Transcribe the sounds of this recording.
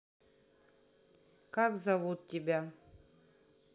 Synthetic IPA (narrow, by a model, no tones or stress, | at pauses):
kakzɐvut̪̚tʲɪbʲæ